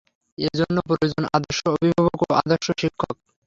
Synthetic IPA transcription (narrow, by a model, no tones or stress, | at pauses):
ed͡ʑonːop̬ɾojod͡ʑonʔa̰d̪oʃoobʱibʱabokoʔa̰d̪oɾʃoʃikʰːok